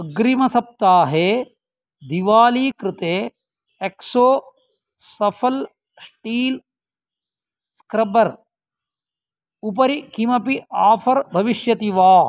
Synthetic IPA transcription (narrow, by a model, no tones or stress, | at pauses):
ɐɡɾimɐsɐp̚t̪aːɦeː | d̪iʋaːliːkɾɪt̪eː | eksoː | sɐpʰɐl | sʈiːl | skɾɐbɐɾ | upɐɾikimɐpiaːpʰɐɾbʱɐʋiʃjɐt̪iʋaː